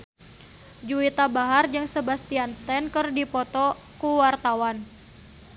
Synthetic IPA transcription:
d͡ʒuit̪abaɦard͡ʒɨŋsəbast̪ianst̪ɛnkɨrdipɔt̪ɔ | kuwart̪awan

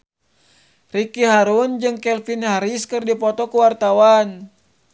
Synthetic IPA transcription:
rikiɦaɾund͡ʒɨŋkɛlfinhaɾiskɨrdipɔt̪ɔkuwart̪awan

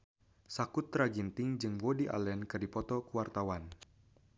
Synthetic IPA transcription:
sakut̪ːɾaɡint̪ɪŋd͡ʒɨŋbɔdiʔa̰lɛnkɨrdipɔt̪ɔkuwart̪awan

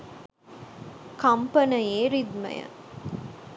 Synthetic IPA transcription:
kɐmpɐnɐjeːɾid̪mɐ̰jɐ̰

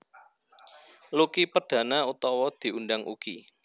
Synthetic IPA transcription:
lukipərd̥ä̤naut̪ɔwɔd̪̥i̤undaŋʔṵkḭ

